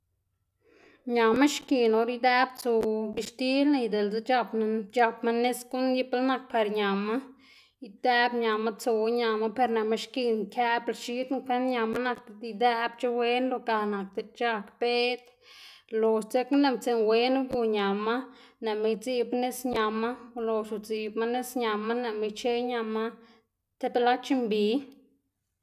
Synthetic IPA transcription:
ɲa˨ma˦ʃki˧no˧ɾi˦d̪ɛ˦bt͡so˧bi˧ʃt̪i˦lna˧jd̪e˨ld͡ze˧t͡ʃa˧pn˧t͡ʃa˧pma˦ne˦sku˦nji˦plna˧k̚pa˧ɾɲa˨ma˦ | i˧d̪ɛ˦bɲa˨ma˦t͡so˧˦ɲa˧ma˦pe˧ɾne˨me˧ʃki˧nkʰɛ˦blʃi˦t̪ŋkʷe˦nɲa˧ma˦na˧k̚t̪e˧˨d̪i˧d̪ɛ˦bt͡ʃa˦we˦nlo˧ka˧na˨k̚t̪e˧˨t͡ʃa˧kpe˦t̪ | lo˨st͡se˦kne˧˨mt͡se˧nwe˦n˦ɡu˧ɲa˨ma˦ | ne˨me˧jd͡zi˧bne˦sɲa˧ma˦lo˧ʃu˨d͡zi˧bma˦ne˦sɲa˨ma˦ne˨me˧t͡ʃe˦ɲa˧ma˦ | t̪e˦pla˦t͡ʃi˧mbi˨˦

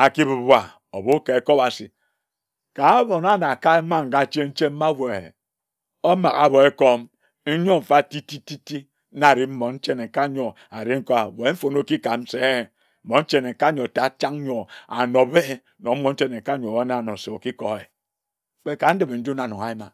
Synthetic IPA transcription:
a˨ki˦bu˨bwa˨ | o˨bo˦ke˨e˨ko˦ba˨si˨ | ka˨˦bo˨na˦na˨ka˦e˦ma˦ŋ̩˨ɡa˨t͡ʃe˦n̩˦t͡ʃe˦m̩˦a˦wʷe˨ | o˦ma̰˨ka̰˦bo˨e˦ko˦m | n̩˦ɲo˦m̩˨fa˦ti˦ti˦ti˦ti˦ | na˦˨ɾi˦m̩˦mo˨n̩˦t͡ʃe˦ne˨ka˦ɲo˨ | a˨ɾi˦ŋ̩˦ko˦a˨we˨˦m̩˦fo˨no˦ki˦ka˨m̩˦se˦˨˦ | mo˨˦n̩˦t͡ʃe˦ne˨ka˦ɲo˨ta˨˦t͡ʃa˦ŋ˦ɲo˨a̰˨no˨be˦˨˦no˨m̩˦mo˨˦n̩˦t͡ʃe˦ne˨ka˦ɲo˨a˦na˨no˨se˨o˨ki˦ko˨e˨˦ | k͡pe˦ka˨n̩˦di˨be˨n̩˦du˦na˨no˨a˨i˦ma˨

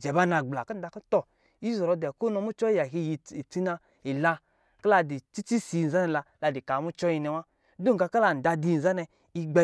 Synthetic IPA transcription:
d͡ʒɛ˨ba˦na˧ɡ͡bla˨kɔ˦n̩˦da˧kɔ˦tɔ˨ | i˦zɔ˨ɾɔ˨˧dɛ˨ko˦nɔ˧mu˦t͡ʃɔ˦i˦ja˨ɦi˧ji˨i˨t͡si˦na˧ | i˨la˧ | ka˦la˧di˨t͡ʃi˦t͡ʃi˦si˨n̩˨a˦nɛ˧la˧la˨˧di˨ka˨mu˦t͡ʃɔ˦ji˧nɛ˧˨wa˦ | du˦ŋ˨ka˧ka˦la˧˨n̩˨da˧di˧˨n̩˨za˦nɛ˧ | i˧ɡ͡bɛ˧

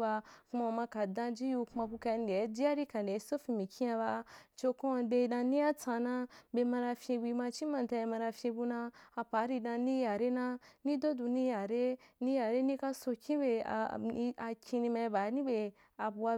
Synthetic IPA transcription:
ba˧ku˧ma˧mã˧ka˨dã˧d͡ʒi˦ju˧ku˧ma˧bu˧ka˧n˦de˨˦d͡ʒi˦a˦ɾi˦kã˨n˨de˨˦so˦fi˧mĩ˨kʰʲĩ˦a˧ba˧t͡ʃo˧kõ˦˧be˧dã˧nĩ˦a˦t͡sã˧nã˧be˧mã˧ɾa˧fʲẽ˧bi˧ma˧t͡ʃĩ˦mã˨˧n˨ta˧i˧mã˧ɾa˧fʲjẽ˧bu˧nãː˧pa˨˦ɾi˧dã˧ni˦ja˨ɾe˦nã˧ni˦do˦du˧nĩ˦ja˨ɾe˦ni˦ja˨ɾe˦ni˦ka˧so˧kʲĩ˦bḛ˧˨˧a˧kʲĩ˧ni˧ma˧i˧ba˨˦nĩ˦be˧ | a˧bu˧wa˧

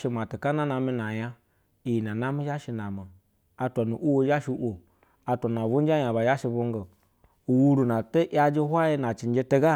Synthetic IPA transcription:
ʃi˧m˨a˨ti˨ka˦na˦na˧mi˧na˨ja˦ | i˨ji˨n˨a˨na˦mi˦ʒa˦ʃi˧na˨mi˨ | a˧tʷa˨nu˨ʔʷu˦wo˦d͡ʒa˦ʃi˧˦ʔo˨ | a˧tʷa˨n˨a˨vu˦n˦a˦ja˨ba˨ja˦ʃi˧vu˧ŋ˦ɡə˨ | u˨wu˦ɾu˨na˨tə˦ʔja˧d͡ʒi˦ɦʷa˦ji˧na˨t͡ʃi˨n˦d͡ʒe˧te˦ɡa˦

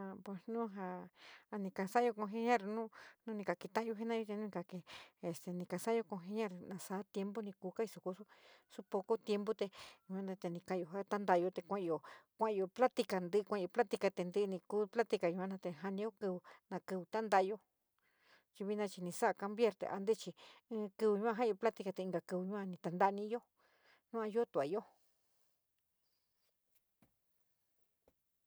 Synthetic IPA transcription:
a˧pwe˨snũ˦ɦa˧a˧nĩ˧ka˧˨sa˦˧o˧kõ˧ɦe˧ɲã˦ɾnũ˦nũ˦nĩ˧ka˨ki˧t̪ã˦jo˧˦e˦nã˦jo˧t̪e˧nũ˦nĩ˧ka˧ke˧e˨st̪e˨nĩ˧ka˧˨sa˦jo˧kõ˧ɦe˧ɲã˦ɾnã˧sa˧˦t̪je˧mbo˦nĩ˧kuː˧ka˦i˧su˨ku˧su˦su˦po˧ko˦t̪je˧mbo˦t̪e˧ju˧˨˧ã˦nd̪a˧t̪e˧nĩ˧ka˧˦˧jo˧˨ɦa˦t̪a˦nd̪a˧jo˧t̪e˧kʷã˧˦˧o˨kʷã˦˧o˧pla˦t̪i˧ka˧˨nd̪ɨ˧kʷã˦˧o˧pla˦t̪i˧ka˧t̪e˧nd̪ɨ˧nĩ˧kuː˦pla˦t̪i˧ka˨ɲũ˧ã˦nã˧t̪e˧ɦa˧nĩ˧jo˦kɨ˧βu˧nã˧kɨ˧βu˧t̪a˦nd̪a˧jo˧ | t͡ʃi˧βi˧nã˧t͡ʃi˧nĩ˧sa˦a˧ka˧mbje˦ɾt̪ḛ˨ʔa̰˧nd̪e˦t͡ʃĩ˧˦˧kɨ˧βɨ˧ɲũ˦ã˧ɦa˦˧o˧pla˦t̪i˧ka˧t̪e˧i˧ŋɡa˧kɨ˧βu˧ɲũ˦ã˧nĩ˧t̪a˧nd̪a˦˧nĩ˦˧˦jo˦ | nũ˦ã˧jo˦t̪u˨a̰˨jo˦

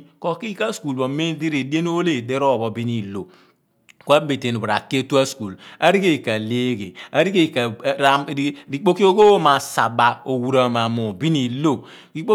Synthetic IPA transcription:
kɔ˨ki˦ka˦sku˨lbo˨me˦di˦ɾe˨de˦n˦o˦le˦˨de˦ɾo˦˨bo˨bi˦ni˦˨lo˨ | ko˦a˦be˨te˨nu˨bɾa̰˨kːe˦tu˦a˦sku˨la˦ɾi˦ke˦˨ka˨le˦ɡe˨a˨ɾi˦ke˦˨kɾa˨˦ɾi˨k͡po˦ki˦o˦ɡo˦ma˨sa˨ba˨o˨wu˨ɾa˨ma˨mo˨bi˦ni˨lo˦˨ | ki˦k͡po˦

